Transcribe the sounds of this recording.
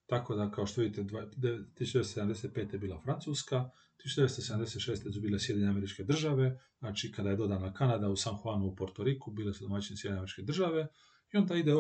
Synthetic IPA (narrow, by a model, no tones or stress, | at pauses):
t̪akod̪akao̞ʃt̪oʋid̪it̪ed̪ad̪et̪ːisu̥ʃt͡ʃd̪esoseamd̪eset̪̚pet̪eebiːlˠafɾant̪suːska | t̪isu̥ʃt͡ʃd̪eest̪osed̪amd̪e̞set̪ʃeːst̪esubilesjed̪iɲeame̞ɾit͡ʃke̞d̪r̩ʒaʋe̞znat͡ʃikad̪ajd̪o̞d̪anakanad̪ausaːmxanuupoɾt̪oɾikubiːlesud̪o̞mat͡ɕinesjeiɲeameit͡ʃke̞d̪r̩ʒaʋe̞ | io̞nd̪aid̪e